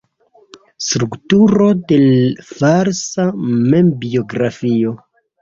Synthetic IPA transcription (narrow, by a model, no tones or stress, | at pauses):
stɾuktuɾo̞de̞vaɾsamembio̞ɡɾafio̞